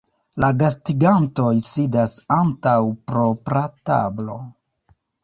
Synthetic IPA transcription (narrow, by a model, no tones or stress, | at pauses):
laɡastiɡanto̞jsidasantawpɾo̞pɾata̰blo̞